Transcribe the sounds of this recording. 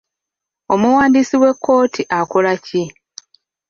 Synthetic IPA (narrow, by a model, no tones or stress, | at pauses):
o̞muwaːndisiwe̞kːo̞ːtʰiʔakolaci